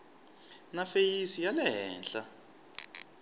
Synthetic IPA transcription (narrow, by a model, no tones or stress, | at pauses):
nafejisijalɛɦɛ̰ːnɬa